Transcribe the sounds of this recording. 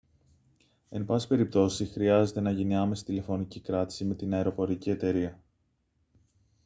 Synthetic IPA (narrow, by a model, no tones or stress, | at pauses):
e̞npɐsi̥spe̞ɾip̚t̪o̞sisixɾiɐze̞t̪e̞nɐʝiniɐme̞si̥t̪ile̞fo̞nicikɾɐt̪i̥sime̞t̪inɐeɾo̞po̞ɾicie̞t̪e̞ɾiɐ